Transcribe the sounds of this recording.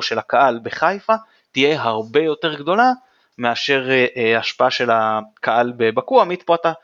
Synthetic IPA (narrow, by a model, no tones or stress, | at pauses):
ʃe̞lhakaalbe̞χajfa | tijeɦaʁbe̞jo̞te̞ʁɡd̪o̞la | me̞aʃe̞ʁaʃpaaʃe̞lakʰaʔalbebakuamit̪poat̪a